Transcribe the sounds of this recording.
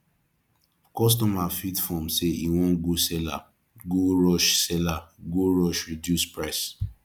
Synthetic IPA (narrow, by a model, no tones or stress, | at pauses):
kɔs̬tɔmafitfɔ̃mseiwɔ̃nɡosɛla̰ | ɡoɹɔʃsɛlaɡoɹɔʃɹidjuspɹaɪs